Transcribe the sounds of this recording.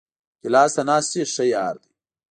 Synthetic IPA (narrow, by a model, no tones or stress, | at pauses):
kilaːst̪ɐnaːst̪ieʂɐjaːɾd̪i